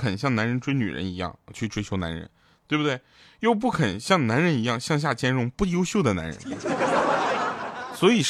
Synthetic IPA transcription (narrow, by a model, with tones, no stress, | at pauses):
kʰə˨˩nɕ̬jɑ˥˩ŋna˧˥nɻə˧˥nʈ͡ʂwe˥ɪny̰˨˩ɻə̰˧˥ni˧˥jɑ̰˥˩ŋt͡ɕʰy˥˩ʈ͡ʂʰwe˥ɪt͡ɕʰjo˧˥ʊna̰˧˥nɻə̰˧˥n | t̪we˥˩bu˩d̪we˥˩ɪ | jo˥˧ʊp̬u˥˩kʰə˨˩nɕjɑ˥˩ŋna˧˥nɻə˧˥ni˧˥jɑ˥˩ŋɕjɑ˥˧ŋɕ̬ja˥˩t͡ɕjɛ˥nɻʊ˧˥ŋpu˥˩jo˥ʊɕjo˥˩ʊd̪ə˩na̰˧˥nɻə̰˧˥n | swɔ˧˥i˨˩